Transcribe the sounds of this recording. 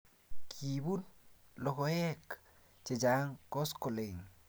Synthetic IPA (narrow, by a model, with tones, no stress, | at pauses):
kʰi˨bu˦nlɔ˨kɔ˨jɛ˦k | t͡ʃe˨d͡ʒa˨˦ŋkɔ˦skɔ˨le˨ŋ